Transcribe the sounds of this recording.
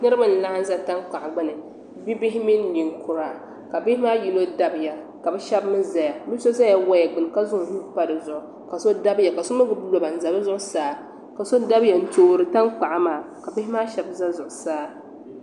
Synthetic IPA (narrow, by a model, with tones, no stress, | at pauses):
nɨ˦ɾɨ˦ba˨n̩˨la˦ʔa˦n˦za˦ta˦ŋk͡pa˨ʔɡ͡bɨ˦nɨ˨ | bi˦bɪ˦ɦɪ˦mi˦n˦li˨ŋ˦kʊ˦ɾa˨ | ka˨bɪ˦hɪ˦maː˦ji˨no˦da˦bja˨ | ka˨bɛ˦ʃɛ˦bmɨ˦za˨ja˨bi˦so˦za˦ja˦wa˦ja˨ɡ͡bɨ˨n˨ka˦zʊ˦ŋ˨hu˦pa˦˨dɨ˨zʊ˨ʔʊ˨ | ka˨so˦da˦bja˨ka˨so˦mɨ˦ɡɨ˨blo˨ba˨n̩˦˨za˨bɨ˦zʊ˦ʔʊ˦saː˦ | ka˨so˦da˦bja˨n̩˦t͡ʃo˨ɾɨ˨ta˦ŋk͡pa˨ʔa˦maː˨ | ka˨bɪ˦ɪ˦maː˦ʃɛ˨bza˦zʊ˨ʔʊ˨saː˦